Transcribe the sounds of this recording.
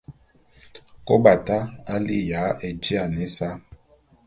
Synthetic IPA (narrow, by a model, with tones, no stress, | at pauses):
ko˦ba˨ta˦a˦li˦ja˨˦e˨d͡ʒi˦a˨nɛ˦sa˦